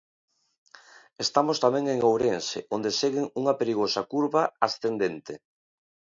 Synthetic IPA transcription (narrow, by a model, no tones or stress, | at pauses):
est̪amost̪amɛ̃ŋeŋowɾenseʔond̪eseɣɪŋuŋɐpeɾiɣosakuɾβaasθend̪ent̪e